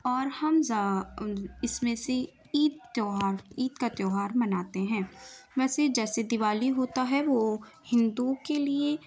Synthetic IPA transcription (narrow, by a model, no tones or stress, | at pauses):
ɔːɾhɐmza | ɪsmẽse | iːd̪oːɦaːɾiːd̪kat̪jɔːɦaːɾmɐnaːt̪eɦɛ̃ːʋɛːsed͡ʒɛːsed̪ɪʋaːliɦoːt̪aɦɛʋo | hɪ̃nd̪ukelie